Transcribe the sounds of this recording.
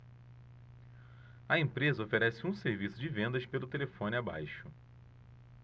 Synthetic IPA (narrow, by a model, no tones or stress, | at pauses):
ɐẽpɾezɐofeɾɛsɪũseɾvisʊd͡ʒɪvẽnd̪ɐspelʊt̪elefõnɪaba̰jʃʊ